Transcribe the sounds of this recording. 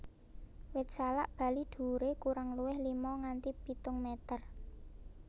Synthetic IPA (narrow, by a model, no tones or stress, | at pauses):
wɪt̪̚sala̰ʔb̥a̤lid̪̥ṳɾekuɾaŋluwɪhlimɔŋant̪ipit̪ʊŋmɛt̪ər